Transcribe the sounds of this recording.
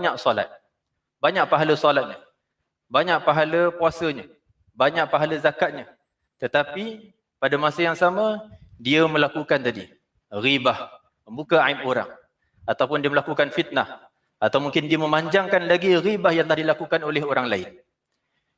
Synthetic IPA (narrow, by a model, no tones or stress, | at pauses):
ɲaʔsɔla̰t̪̚ | baɲaʔ̚paɦaləsɔlat̪̚ɲa | baɲaʔ̚paɦaləpuasəɲa | baɲaʔ̚paɦaləzakat̪̚ɲə | t̪ət̪api | padamasajaŋsamãdiəməlakukant̪adi | ɣibah | məmbukaaipoɾa̰ŋ | at̪awpʊndiəməlakukanfit̪̚nah | at̪awmuŋkɪndiəmə̃maɲd͡ʒaŋkanlaɡiɣibahjaŋtlahdilakukanolɛɦoɾaŋlaɪn